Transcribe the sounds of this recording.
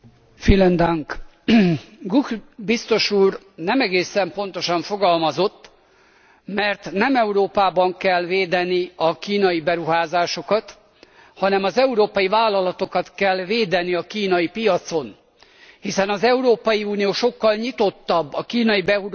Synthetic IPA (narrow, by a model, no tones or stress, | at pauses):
filɛnd̪aŋk | ɡukbist̪o̞ʃuːr | nɛmɛɡeːsɛmpo̞n̪t̪o̞ʃɒɱfo̞ɡɒlmɒzo̞t̪ː | mɛrt̪nɛmɛuɾoːpaːbɒŋkɛlveːd̪ɛniɒkiːnɒjibɛɾuɦaːzaːʃo̞kɒt̪ | hɒnɛmɒzɛuɾoːpɒjivaːlːɒlɒt̪o̞kɒt̪kɛlːveːd̪ɛniɒkiːnɒjipijɒt̪so̞n | hisɛnɒzɛuɾoːpɒjiuːnijoːʃo̞kːɒlɲit̪o̞t̪ːɒbːɒkiːnɒjibɛu